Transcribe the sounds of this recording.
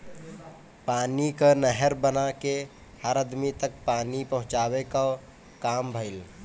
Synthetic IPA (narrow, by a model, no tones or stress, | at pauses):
paːnikənəɦəɾbənake | həɾəd̪mit̪ək̚paːnipəɦʊ̃t͡ʃaːweka | kaːmbʱəɪl